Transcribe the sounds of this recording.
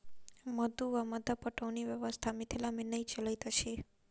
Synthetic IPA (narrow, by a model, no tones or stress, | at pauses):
məd̪uʋaməd̪apəʈəʋniʋjəʋəst̪ʰamɪt̪ʰilamɪnəjt͡ʃəlajt̪ʰəʃe